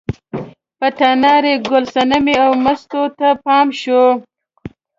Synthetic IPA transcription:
pəʈanɑɾeɡʊlsanəmeawmast̪ot̪apɑːmʃo

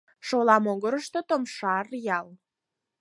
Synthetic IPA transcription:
ʃolɑmoɣəɾəʃt̪ot̪omʃɑrjɑl

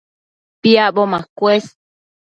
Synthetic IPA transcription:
piabomãkwes

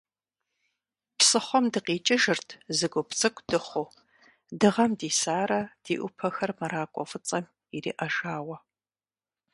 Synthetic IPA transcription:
psɨχʷɔmdɨqiːt͡ʃʼɪʒɨrtʰzɨɡʷʊpt͡sʼɨkʷʰd̥ɨχʷʊ | dɨʁɐmdiːsaːɾɐd̥iːʔʷʊpʰɐxɐrmɐɾaːkʷʼɔ̰fɨt͡sʼɐm | irḭːʔɐʒaːwɐ

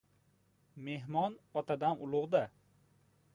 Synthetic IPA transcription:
me̞ɦmɒnɒt̪ʰad̪amʊlˠʊʁd̪a

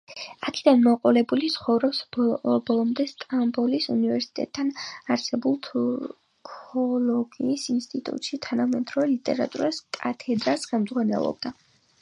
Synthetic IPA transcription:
akʰid̪anmɔqʼɔlɛbulit̪sʰχɔvɾɔpsbbɔlˠɔmd̪ɛst̪ʼambɔlisunivɛɾsi̥t̪ʼɛ̰t̪ʰːanaɾsɛbulˠt̪ʰɔ | kʰɔlˠɔɡiːsinst̪ʼit̪ʼṵt̪ʼʃit̪ʰanamɛt̪ʰʼɾɔɛlit̪ʼɛ̰ɾa̰t̪ʼṵɾaskʼat̪ʰɛd̪ɾasχɛmd̪zʁwanɛ̰lˠɔ̰b̚d̪a

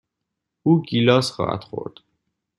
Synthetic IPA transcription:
uːɡilɒːsχɒ̰ːhæ̰d̪̥χo̰ɾd̪̥

